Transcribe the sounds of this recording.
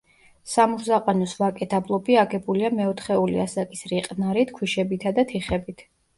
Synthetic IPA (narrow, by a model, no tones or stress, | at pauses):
samuɾzaqʼanɔsvakʼɛt̪ʰablˠɔbiaɡɛbuliamɛɔt̪ʰχɛulḭasakʼisɾiqʼnaɾit̪ʰkʰwiʃɛbit̪ʰad̪at̪ʰiχɛbit̪ʰ